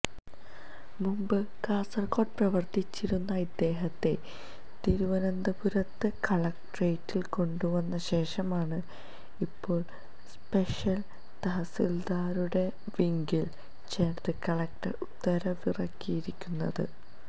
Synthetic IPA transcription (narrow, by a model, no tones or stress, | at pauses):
mumbɨkaːsɐrko̞ːʈprɐʋɐrt̪it͡ɕːiɾunːɐid̪ːe̞ːɦɐt̪ːe̞ | t̪iːɾuʋɐnɐnd̪ɐpuɾɐt̪ːɨkɐɭɐk̚ʈrejtːilko̞ɳɖuʋɐnːɐɕe̞ːʂɐmaːɳɨ | ipːo̞ːɭ | spe̞ʂjɐl | t̪ɐɦɐsild̪aːɾuɽe̞ | ʋiŋɡil | t͡ɕeːrt̪ɨkɐɭɐk̚ʈɐ̰rut̪ːɐɾɐʋirɐkːijiɾikʲːunːɐ̰ðɨ̰